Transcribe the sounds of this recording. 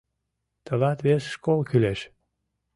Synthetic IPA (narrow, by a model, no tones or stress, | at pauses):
t̪ʰə̆lɑt̪βesʃkolˠkyleʃ